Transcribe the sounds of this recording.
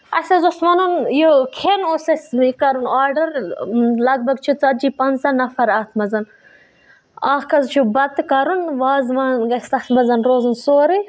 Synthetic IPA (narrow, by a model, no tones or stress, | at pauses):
ɐsɐzosmɐnunjokʰenoːsɐsikɐɾunaːɾɖɐɾlɐɡ̚bɐɡt͡ʃʰit͡sɐd͡ʒiːpɐnɐnɐfɐɾaːt̪ʰmɐzɐn | aːhkɐzt͡ʃʰubɐt̪kɐɾunʋaːzmɐnɡɐsɐt̪ʰmɐzɐnɾoːzunsoːɾi